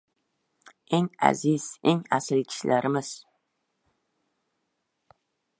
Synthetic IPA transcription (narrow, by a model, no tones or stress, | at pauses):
eŋa̰zɪz̥eŋa̰sɪlkʲʰɪ̥ʃlʔaɾʔɪmɪz̥